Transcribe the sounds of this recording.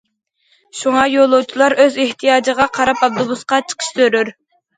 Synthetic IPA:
ʃuŋɑjolˠuwt͡ʃʰilˠɑɾøzeht̪ʰijɑːd͡ʒəʁɑqʰɑɾɑpɑb̚d̪ubusqɑt͡ʃʰə̥qʰə̥ʃt̪øɾyɾ

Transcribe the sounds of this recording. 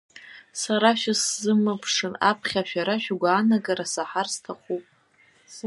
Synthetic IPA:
saɾaʃᶣaszɨmɨpʰʂɨnapʰχʲaʃᶣaɾaʃᶣaɡʷaːnaɡaɾasaħarstʰaχʷupʼ

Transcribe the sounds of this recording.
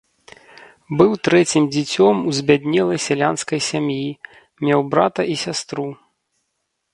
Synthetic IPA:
bɨwt̪ɾɛt͡sʲimd͡zʲit͡sʲɔmuzʲbʲad̪ʲnʲɛlˠɐjsʲalʲanskɐjsʲamji | mʲɛwbɾat̪ɐʔisʲast̪ɾu

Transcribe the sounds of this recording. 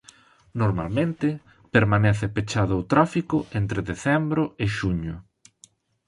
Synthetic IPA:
noɾma̰lmẽnt̪ɪ | peɾmanɛθɪpet͡ʃaðʊot̪ɾafikʊʔent̪ɾeðeθɛmbɾʊɪʃuɲʊ

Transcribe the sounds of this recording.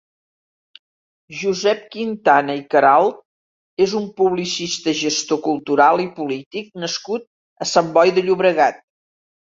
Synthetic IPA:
ʒuzɛp̚kint̪anəikəɾalˠt̪̚ | ezumpuβlisist̪əʒəst̪okulˠt̪uɾalˠipulit̪ik̚nəskut̪̚ | əsambɔjðəʎuβɾəɣat̪̚

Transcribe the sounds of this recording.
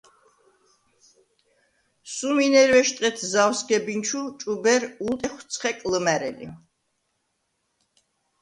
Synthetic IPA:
suminɛɾwɛʃt̪ʼɛt̪ʰzawsɡɛbint͡ʃʰut͡ʃʼubɛɾult̪ʼɛχwt̪sʰχɛkʼləmæɾɛ̰lḭ

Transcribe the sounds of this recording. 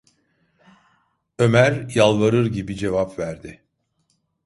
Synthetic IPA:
ø̞mæɾjalˠvaɾɯɾɟibid͡ʒe̞vapvæɾd̪ɪ

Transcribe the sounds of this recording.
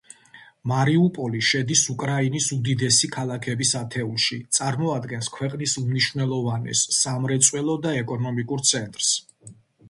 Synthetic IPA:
maɾiupʼɔliʃɛd̪isukʼɾainisud̪id̪ɛsikʰalˠakʰɛbisat̪ʰɛulˠʃit̪sʼaɾmɔad̪ɡɛnskʰwɛqʼnisumniʃwvnɛlˠɔvanɛ̰sːamɾɛt̪sʼwɛlˠɔd̪aɛkʼɔnɔmikʼuɾt̪sʰɛnt̪ʼɾs

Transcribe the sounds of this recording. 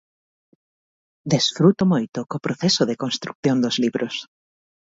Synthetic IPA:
d̪esfɾut̪omojt̪ʊkopɾoθesoðekonst̪ɾuk̚θjond̪ozliβɾʔos

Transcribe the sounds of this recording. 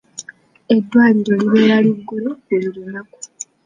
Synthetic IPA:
e̞dːwaːliɾo̞liβe̞ːɾaliɡːuɾoelilunaku̥

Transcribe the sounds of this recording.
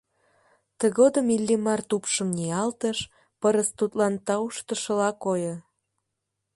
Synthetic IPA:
t̪əɣod̪əmilʲːimɑrt̪upʃə̆mniɑlt̪əʃ | pəɾəst̪ut̪lɑnt̪ɑuʃt̪ə̆ʃə̆lɑkojo

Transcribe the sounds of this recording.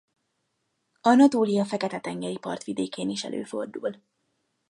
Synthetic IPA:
ɒnɒt̪oːlijɒfɛkɛt̪ɛt̪ɛŋɡɛɾipɒ̰rt̪ʋid̪eːkeːniʃɛ̰lʔø̰ːfo̞rd̪ul

